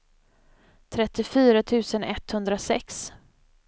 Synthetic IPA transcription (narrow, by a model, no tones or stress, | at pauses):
t̪ʰɾɛt̪ːɪfyːɾat̪ʰʉ̟ːsənɛ̰t̪hɵnd̪ɾasɛ̰ks